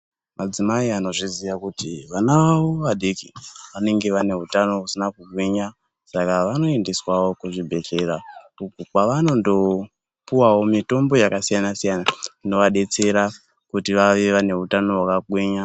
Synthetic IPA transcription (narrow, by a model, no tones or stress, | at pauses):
mʔad͡zimaiano̞ʐizijakutiʋanaʋawo̞ʋaɗekiʋane̞ŋɡe̞ʋane̞ɦutano̞usinakuɡwiɲa | sakaʋano̞e̞ndeswawo̞kuʐibʱe̞keraukukwaʋano̞ndo̞ | puwawo̞mito̞mbo̞jakasijanasijanaino̞ʋaɗe̞t͡se̞ɾa | kutiʋaʋeʋane̞ɦutano̞wakaɡwiɲa